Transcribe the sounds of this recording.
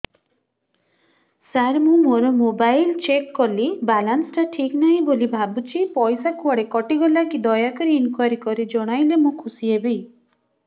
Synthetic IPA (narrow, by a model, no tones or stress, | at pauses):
saɾmũmoɾɔmobajlt͡ʃekːɔlibalansʈaʈʰiknaɦĩbolibʱabut͡ʃʰipɔjsakuaɽekɔʈiɡɔlakid̪ɔjakɔɾiinkuaɾikɔɾid͡ʒɔɽ̃ajlemũkʰusiebi